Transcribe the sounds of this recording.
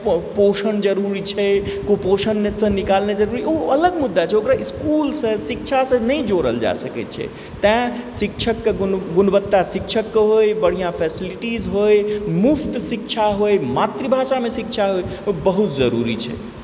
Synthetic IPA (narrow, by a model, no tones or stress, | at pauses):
posənd͡ʒəɾuɾit͡ʃʰɛkoposənmesə̃nikalned͡ʒəɾuɾiʔoələɡmud̪ːat͡ʃʰɛokɾaiskulsə̃sik̚t͡ʃʰasə̃nəj̃d͡ʒoɾə̰ld͡ʒa̰səkɛ̰t̪t͡ʃʰɛ̰ | t̪ɛ̃sik̚t͡ʃʰəkːeɡunbət̪ːasikt͡ʃʰəkːeɦojbəɽ̤ijãpʰesiliʈizɦojmupʰt̪sikt͡ʃʰaɦojmat̪ɾibʱaʃamesik̚t͡ʃʰaɦojobəɦut̪̚d͡ʒəɾṵɾḭt͡ʃʰɛ̰